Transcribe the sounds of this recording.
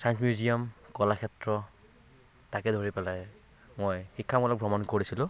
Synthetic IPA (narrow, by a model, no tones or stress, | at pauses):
sajnsmjuzijɔmkɔlakʰɛtɹɔ | takɛdʱoɹipɛlaj | mojxikʰːamɔlɔk̚bʱɹɔmɔnkoɹisilʊ̃